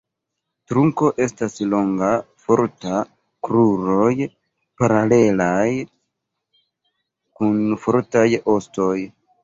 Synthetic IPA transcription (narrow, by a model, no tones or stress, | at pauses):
tɾuŋko̞ʔe̞staslo̞ŋɡafo̞ɾta | kɾuɾo̞j | paɾale̞laj | kunfoɾtajo̞sto̞j